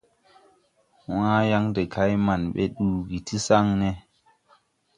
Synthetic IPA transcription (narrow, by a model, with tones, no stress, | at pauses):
wãː˦ja˦ŋde˨kʰa˦jma˨nɓḛ˦ɗuː˨ɡi˨ti˦sa˦ŋnɛ˦